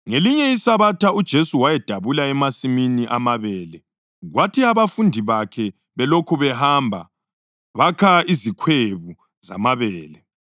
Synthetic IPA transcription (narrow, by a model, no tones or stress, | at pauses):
ŋeliɲɛisaβatʰaud̥ʒ̥ʱesuwajɛd̥ʱaβulaɛmasiminiʔamaβɛːlɛ | ɣwatʰiaβafundʱiβakʰɛ | βɛlokʰuβɛhambʱa̰ | βakʰaizikʰweβu | za̰maβɛːlɛ